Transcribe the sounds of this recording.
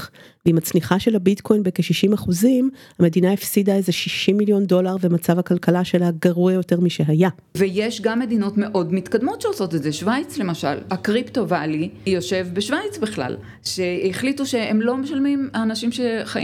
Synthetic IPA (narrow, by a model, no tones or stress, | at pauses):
veimat͡sniχaʃelabitkʰo̞jnbekeʃiʃimaχuzimhame̞dinaefsidaezeʃiʃimːiljo̞ndo̞laʁvemat͡savakalkalaʃe̞laɡaʁuejo̞te̞ʁmiʃe̞ɦaja | vejeʃɡamːe̞dino̞tme̞ʔo̞dmitkad̪mo̞tʃeoso̞te̞tzeʃvajt͡sle̞maʃa̰lakʁipto̞valijo̞ʃe̞vbeʃvajt͡sbiχla̰l | ʃeeχlituʃeemlo̞meʃalmimaːnaʃimʃeχaʔḭ